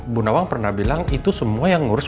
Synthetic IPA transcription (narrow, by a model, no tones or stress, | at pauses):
bunawaŋpərnahbilaŋit̪usəmuajaŋːuɾʊs